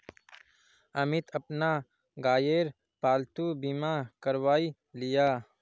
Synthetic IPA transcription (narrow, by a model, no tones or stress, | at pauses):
əmɪt̪əpna | ɡaːjeɾ | paːlt̪ubimakəɾʋaːi | lɪjaː